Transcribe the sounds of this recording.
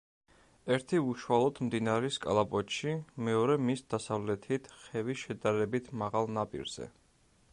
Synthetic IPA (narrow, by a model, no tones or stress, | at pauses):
ɛɾt̪ʰiuʃwalˠɔd̪md̪inaɾɛskʼa̰lˠapʼɔt̪ʃimɛɔɾɛmisd̪̥asavlɛt̪ʰit̪ʰχɛviʃɛd̪aɾɛbit̪ʰmaʁalˠnapʼḭɾz̥ɛ̰